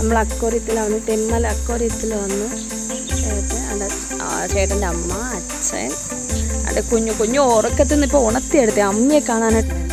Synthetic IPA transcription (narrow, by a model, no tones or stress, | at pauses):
nɐmːɐɭɐkːoːrit̪ːilaːʋɐnːɨt̪emːɐlɐkːoːrit̪ːilʋɐnːɨ | eɽut̪ːeɐ̰ndḛ | feːʈːɐndeɐmːɐɐ | t͡ɕːḛ | ɐ̰nd̪ekuɲːukoɲːuoːrokːet̪ːunːipːouɳɐt̪ːijeɽut̪ːɨɐmɲijekːaːɳaːnɐʈːɨ